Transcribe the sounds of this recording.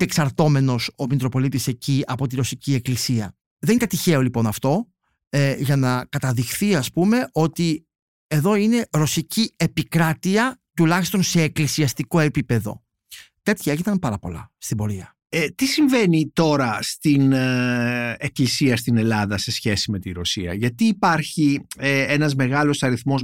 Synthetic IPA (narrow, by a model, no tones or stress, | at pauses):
eksɐɾt̪o̞me̞no̞somit̪ɾo̞po̞lit̪ise̞ciɐpo̞t̪iɾo̞sicie̞klisiɐ | ðenit̪ɐt̪içe̞o̞lipo̞nɐft̪o̞ | eʝɐnɐkɐt̪ɐðixθiɐspume̞ʔo̞t̪i | e̞ðo̞ine̞ɾo̞sicie̞pikɾɐt̪iɐt̪ulɐçist̪o̞nse̞ːklisiɐst̪iko̞e̞pipe̞ðo̞̰ | t̪e̞t̪çɐeʝinɐmpɐɾɐpo̞̰lɐ̰st̪ibo̞ɾiɐ | et̪isiɱve̞nit̪o̞ɾɐst̪in | eklisiɐst̪ine̞lɐðɐse̞sçe̞sime̞t̪iɾo̞siɐ̰ʝɐt̪iːpɐɾçieenɐzme̞ɣɐlo̞sɐɾiθmo̞s